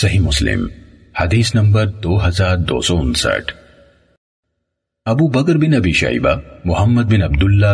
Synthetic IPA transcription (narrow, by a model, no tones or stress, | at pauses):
sɐɦiːmʊslɪ̰m | hɐd̪iːsnɐmbɐɾd̪oːɦɐzaːɾd̪o̰ːsɔːʊnsɐ̰ʈʰ | ɐbuːbɐkɾbɪnɐbiːʃɐ̰ḭba̰mʊhɐmːɐd̪̚bɪnɐbd̪ʊlːa